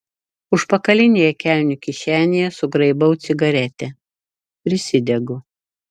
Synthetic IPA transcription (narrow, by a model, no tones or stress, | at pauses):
ʊʃpɐkɐlʲɪnʲeːjɛkʲæˑlʲnʲʊkʲɪʃʲæːnʲejɛsʊɡɾɐɪbɐʊt̪sʲɪɡɐɾʲɛt̪ʲɛ | pʲɾʲɪsʲɪd̪ʲɛɡʊ